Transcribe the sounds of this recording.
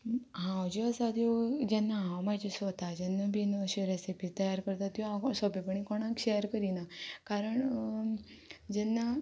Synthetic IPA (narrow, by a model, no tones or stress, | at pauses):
ɦãwd͡ʑeəsat̪jod͡ʑɛnːaɦãwmad͡ʑesʋot̪ad͡ʑɛnːəbʱinoɕeɾesepit̪əjaɾkəɾt̪at̪jũãsɔbepəɳ̃ikoɳãkɕejəɾkəɾinakaɾəɳ | d͡ʑɛnːa